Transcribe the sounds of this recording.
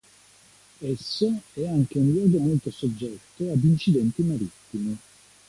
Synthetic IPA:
ɛsːoɛaŋk̟eunlwɔːɡomolt̪osod͡ʒːɛt̪ːoad̪int͡ʃid̪ɛnt̪imaɾit̪ːimi

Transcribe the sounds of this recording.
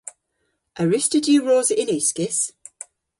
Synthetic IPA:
ʔəɹɪstədjəɹɔːzɪnʉˑskɪs

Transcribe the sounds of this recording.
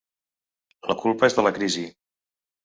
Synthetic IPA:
ləkulˠpəezðələkɾizi

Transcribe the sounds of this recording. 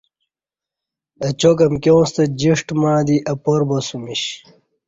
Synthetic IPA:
ɐt͡ɕokɐmkʲowst̪ɐd͡ʑiʂʈmãːd̪iʔɐpoɾbɐsumiɕ

